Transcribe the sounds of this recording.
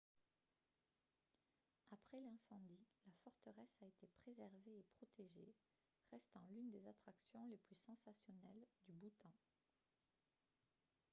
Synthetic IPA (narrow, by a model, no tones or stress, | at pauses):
apχɛlɛ̃sɑ̃d̪ilafɔʁt̪əʁɛsaet̪epχezɛʁveːpχɔt̪eʒe | ʁɛst̪ɑ̃lynd̪ezat̪χaksjɔ̃leplysɑ̃sasjɔnɛld̪ybut̪ɑ̃